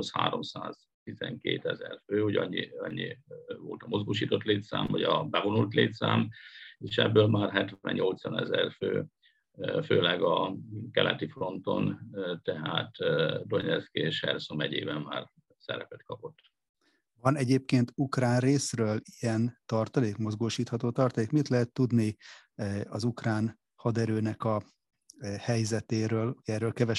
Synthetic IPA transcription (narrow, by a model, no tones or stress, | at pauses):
sha̰ːɾo̞msaːz̥ | t̪izɛŋkḛːt̪ɛzɛrføːoɟɒɲːiɒɲːivo̰ːlt̪ɒmo̞zɡoːʃiːt̪o̞t̪leːt̪sa̰ːmvɒɟɒbɛvonult̪leːt̪saːmeːʃɛbːøːlmaːrɦɛt̪ʋɛɲɲo̞lt̪sɒnɛzɛrføː | føːlɛɡɒkɛlʔɛt̪ifro̞nt̪o̞nt̪ɛɦaːt̪d̪o̞ɲɛt̪skieːʃhɛ̰rsomɛɟeːbɛmma̰ːr | sɛɾɛpɛt̪kɒpo̞t̪ː | vɒnɛɟeːp̚keːnt̪ukraːnreːsrøːlijɛnt̪ɒrt̪ɒleːkmo̞zɡoːʃiːt̪hɒt̪oːt̪ɒrt̪ɒleːkmit̪lɛɦɛt̪ːud̪ni | ɒzukraːn | hɒd̪ɛɾøːnɛkɒ | hɛjzɛt̪eːɾøːluɟɛːrːøːlkɛvɛ